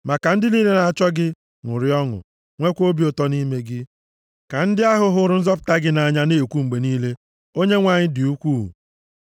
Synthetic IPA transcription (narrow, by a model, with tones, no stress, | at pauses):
ma˨ka˨n̩˦dɪ˦niː˦le˦na˨t͡ʃɔ˦ɡɪ˦ | ŋʊ˨ɾɪ˦ɔ˦ŋʊ̰˨ | ŋʷe˦kʷo˦bi˨o˨tɔ˦ni˦me˦ɡɪ˦ | ka˨n̩˦dɪ˦a˦ɦʊ˨ɦʊ˦ɾʊ˦n̩˦zɔ˦p̬ʊ̥˨˦ta˦ɡɪ˦na˨ɲa˦ne˦˨kʷu˦ŋ͡m̩˨ɡ͡be˨niː˦le˦ | o˦ɲe˦ŋʷa˨ɲɪ˦dɪ˨u˦kʷu˦˨